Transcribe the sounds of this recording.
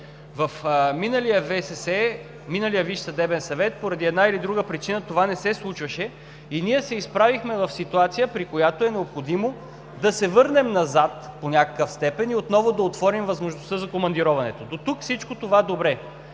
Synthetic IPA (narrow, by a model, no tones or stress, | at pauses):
vɐfminəlijəvɛsɛsɛ | minəlijəviʃsɐd̪ɛbɛnsɐvɛt̪̚poɾɐd̪iɛd̪nailid̪ɾuɡəpɾit͡ʃinət̪ovanɛsɛslˠut͡ʃvɐʃɛ | iniɛsɛispɾavixmɛvɐfsit̪uat̪sijəpɾikojat̪oɛnɛopxod̪imo | d̪ɐsɛvɤɾnɛmnɐzat̪ponʲakə̥kəfst̪ɛpɛniot̪nɔvod̪ɐot̪vɔɾimvɐzmoʒnost̪əzɐkomɐnd̪iɾɔvɐnɛt̪od̪ot̪ukfsit͡ʃkot̪ovad̪obɾɛ